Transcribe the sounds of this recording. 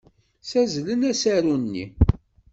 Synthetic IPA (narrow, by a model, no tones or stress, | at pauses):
sæzlənæsæɾunːḭ